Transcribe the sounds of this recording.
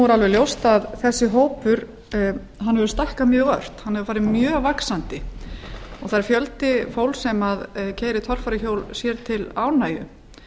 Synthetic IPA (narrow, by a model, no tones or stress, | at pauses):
uɾalvɛɾljowst̪aðθɛsːɪɦoːwpʏɾ | ɦanːhɛvʏst̪ahkamjœːɣœr̥t̪hanhɛvʏfaːɾɪðmjœːɣvaksant̪ɪ | ɔɣθaɾɪɾfjœlt̪ɪfowlsɛmaðcʰeːjɾɪt̪ʰɔr̥faɾɪçoːwlsjɛɾt̪ʰɪlaːwnaːjʏ̰